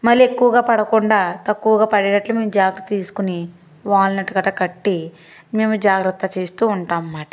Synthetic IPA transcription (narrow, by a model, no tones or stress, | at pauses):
mɐɾiekːuʋɐɡaːpɐɽɐkuɳɖaːt̪ɐkːuʋɐɡaːpɐɽenɐʈlume̞ːmud͡ʒaːɡɾɐt̪ːɐt̪iːsu̥kuni | ʋaːɭɐnɐʈɐɡɐʈɐkɐʈːi | me̞ːmud͡ʒaːɡɾɐt̪ːɐt͡ʃe̞ːst̪uːuɳʈaːmːaːʈɐ̥